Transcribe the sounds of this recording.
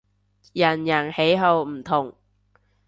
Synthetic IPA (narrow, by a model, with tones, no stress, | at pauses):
jɐ˨˩njɐ˨˩nhe˨˥jɦo˨˧wm̩˨˩t̪ʰʊ˨˩ŋ